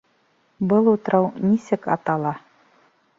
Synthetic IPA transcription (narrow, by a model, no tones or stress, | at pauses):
bɤlˠut̪ɾɑwnisɘkɑ̰t̪ɑlˠɑ